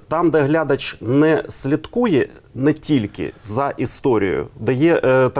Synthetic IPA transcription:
t̪ɑmd̪ɛɦlʲad̪ɐt͡ʃnɛsʲlʲit̪kujɛnɛtʲilʲkɪ̰zɐʔist̪ɔɾʲḭjʊ̰d̪ɐjɛt̪

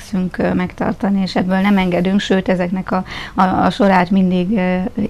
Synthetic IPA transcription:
syŋkmɛkt̪ɒ̰rt̪ɒnieːʃɛbːøːlnɛmɛŋɡɛd̪yŋkʃøːt̪ɛzɛknɛkɒɒ̰ʃo̞ɾaːt̪mind̪iɡ

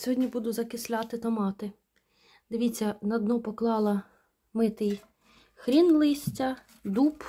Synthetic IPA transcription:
sʲɔɦɔdʲnʲibud̪ʊzɐkɪsʲlʲɑt̪ɪt̪ɔmɑt̪ɪ | d̪ɪʋʲit͡sʲːɐnɐd̪nɔpɔklˠɑlˠɐ | mɪt̪ɪj | xɾʲinlˠɪsʲtʲɐ | d̪up

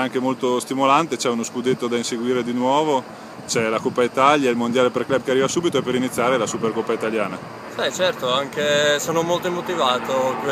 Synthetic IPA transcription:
aŋkemolt̪ost̪imolant̪et͡ʃɛunoskud̪et̪ːod̪ainseɡwiːɾed̪inwɔːvo | t͡ʃɛlakopːait̪aljailmond̪jaːlepeɾklɛb̚kearːivasuːbit̪oɛpːeɾinit̪sːjaːɾelasuperkopːait̪aljaːna | sɛt͡ʃɛrt̪oaŋkesoːnomolt̪oimot̪ivaːt̪ok

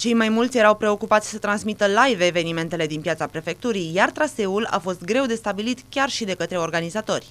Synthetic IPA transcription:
t͡ʃe̞jmajmult̪sʲje̞ɾawpɾe̞o̞kupat̪sʲsət̪ɾansmit̪əlajveve̞nime̞nt̪e̞le̞d̪inpjat̪sapɾe̞fe̞k̚t̪uɾijjart̪ɾase̞ula̰fo̞st̪ɡɾe̞wd̪e̞st̪abilit̪kʲarʃid̪e̞kət̪ɾe̞o̞rɡanizat̪o̞rʲ

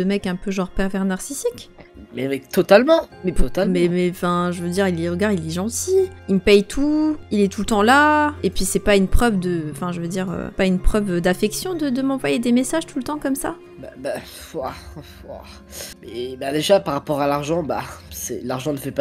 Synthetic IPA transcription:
dəmɛkɛ̃pøʒɑ̃ʁpɛʁvɛʁnaʁsisikmɛɛt̪ɔt̪almɑ̃mɛt̪ɔt̪almmɛmɛɑ̃fɛ̃ʒəvød̪iʁiliʁəɡaʁilɛʒɑ̃t̪iimpɛjt̪ʰuilɛt̪ulət̪ɑ̃laepɥisɛpaynpχœvd̪əɑ̃fɛ̃ʒəvəd̪iʁø̰paynpχœvd̪afɛksjɔ̃d̪əd̪əmɑ̃vwajed̪emesaʒt̪ulət̪ɑ̃kɔmsa | baba | vwava̰ | mɛbad̪eʒapaʁːapɔʁalaʁʒɑ̃ba̰sɛ̰laʁʒɑ̃nəfɛpa

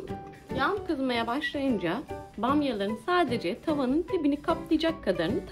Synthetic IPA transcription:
jamkɯzmajabaʃlˠajɯnd͡ʒabamjalˠaɾɯnsaːd̪e̞d͡ʒɛt̪ʰavanɯnt̪ʰebinikʰaplˠɯjd͡ʒakʰːad̪aɾɯnɯt̪ʰ

